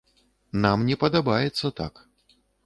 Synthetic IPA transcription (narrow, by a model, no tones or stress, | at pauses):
namnʲɛpɐd̪abajɛt̪sːɐt̪a̰k